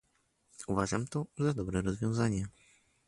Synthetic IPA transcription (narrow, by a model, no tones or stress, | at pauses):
uvaʐamt̪ɔzad̪ɔbɾɛɾɔzvʲjɔ̃w̃zaɲɛ